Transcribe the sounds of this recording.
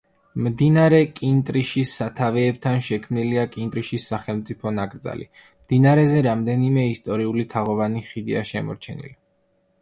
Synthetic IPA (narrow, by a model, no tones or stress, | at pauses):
md̪inaɾɛkʼint̪ʼɾiʃisːat̪ʰavɛːb̚t̪ʰanʃɛkʰmniliakʼint̪ʼɾiʃisːaχɛlmt̪sʼipʰɔnakʼɾd̪za̰lḭ | md̪̥inaɾɛzɛɾamd̪ɛnimɛist̪ʼɔɾiulit̪ʰaʁɔvaniχid̪iaʃɛmɔ̰ɾt͡ʃʰɛnḭli